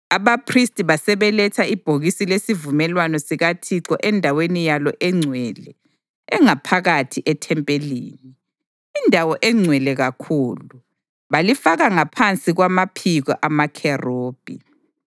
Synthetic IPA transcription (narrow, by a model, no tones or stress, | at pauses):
aβapʰristʼiβasɛβɛlɛtʰaib̥ʱoɣisilesivumɛlwanɔsiɣatʰiǀɔ̰ʔɛndʱawenijalɔʔɛŋ͡ǀʱwɛlɛ | ɛŋapʰaɣatʰiʔɛtʰɛmpʼelḭːniː | ndʱawɔʔɛŋ͡ǀʱwɛlɛɣakʰuːlu | βalifaɣaŋapʰant͡sʼiɣwamapʰiɣɔʔamakʰɛroːb̥ʱḭ